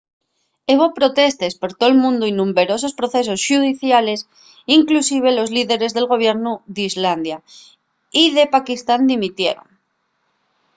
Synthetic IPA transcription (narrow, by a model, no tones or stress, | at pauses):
eβopɾo̞t̪e̞st̪e̞spo̞ɾt̪o̞lmũnd̪oinũmbe̞ɾo̞s̬o̞spɾo̞θe̞s̬o̞sʃuð̞iθjale̞s | iŋklusiβ̞e̞lo̞zliðe̞ɾe̞zðe̞lɣo̞β̞je̞ɾnuðizland̪ja | iðe̞pakist̪and̪imit̪je̞̰ɾo̰ŋ